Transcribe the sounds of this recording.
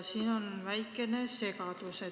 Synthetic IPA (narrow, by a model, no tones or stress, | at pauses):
siːno̞nvæjkːˑe̞nese̞ɡ̥ɑd̪̥use